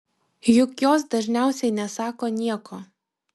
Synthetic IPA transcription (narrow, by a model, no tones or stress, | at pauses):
jʊkjoːs̬d̪ɐʒʲnʲæˑʊsʲɛɪnʲɛsɑːkoːnʲiɛkoː